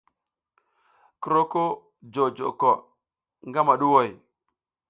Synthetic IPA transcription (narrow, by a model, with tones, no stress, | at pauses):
kə˨ɾo˦ko˦ | d͡ʒo˨d͡ʒo̰˨ko˨ | ŋɡa˦ma˨ɗu˦wo˦˨j